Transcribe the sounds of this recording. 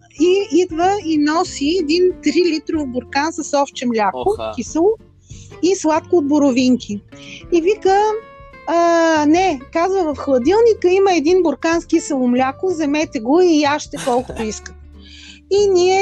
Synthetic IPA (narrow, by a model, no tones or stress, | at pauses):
iid̪vəinɔsiɛd̪int̪ɾilit̪ɾovbʊɾkansəsɔft͡ʃɛmlʲakʊkʲisəlˠʊ | islˠat̪koːd̪̚bʊɾʊviŋkʲʰiivikə | nɛkazvəvəfxlˠɐd̪ilˠnikəiməɛd̪inbʊɾkanskisəlˠʊmlʲakʊzɛmɛt̪ɛɡoiaʃt̪ɛkɔlˠkʊ̥t̪ʊiskə̥t̪ | iniɛ